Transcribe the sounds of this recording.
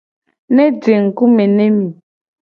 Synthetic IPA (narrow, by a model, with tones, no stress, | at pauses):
ne˦d͡ʒe˨ŋ̩˨ku˦me˨ne˦mĩ˨